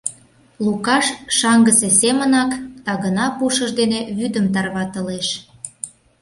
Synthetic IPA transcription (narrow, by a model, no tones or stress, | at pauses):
lukɑʃʃɑŋɡəsesemənɑkdt̪ɑɣənɑpuʃəʒd̪eneβyd̪əmt̪ɑrβɑt̪əleʃ